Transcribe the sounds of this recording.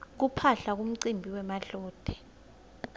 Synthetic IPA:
k̬upʰaɬak̬um̩ǀimbʱiwɛmaɬɔːd̥ʱɛ̥

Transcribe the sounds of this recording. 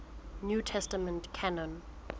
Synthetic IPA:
njutʰɛstəmə̃ntkʰanɔ̃n

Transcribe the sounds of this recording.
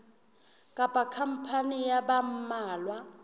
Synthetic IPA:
kʼapʼakʰam̩pʰanijabam̩maːlwa

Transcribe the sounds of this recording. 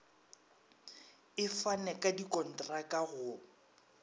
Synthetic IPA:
ɪfanɛkʼadikʼɔn̩tʼrakʼaɣʊ

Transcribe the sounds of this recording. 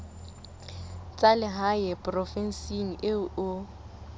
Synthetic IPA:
t͡sʼalɪɦajɛpʼrɔfɛn̩siŋ̩ʔɪʊʊ

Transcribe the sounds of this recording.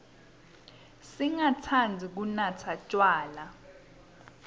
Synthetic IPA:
siŋatʰand͡zʱik̬unat͡sʰat͡ʃʼwaːla

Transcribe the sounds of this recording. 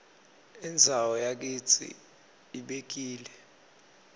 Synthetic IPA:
ind͡zʱawɔjak̬ʼit͡sʰḭ | iɓek̬iːlɛ

